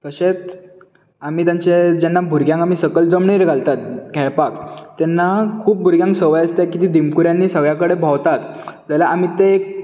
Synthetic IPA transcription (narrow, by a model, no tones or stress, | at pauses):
kəɕet̪ | am̤iːt̪jaɲt͡ɕed͡ʑɛnːabʱuɾɡjãŋamiːsəkəld͡zəmɳiːɾɡʱalt̪at̪̚kɛɭpakːɛnːakʰuːp̚bʱuɾɡjãŋksəʋəjast̪jakit̪id̪imkuɾjanːiːsəɡɭjakəɽebʱawt̪at̪d͡zalaʔam̤iːt̪ek̚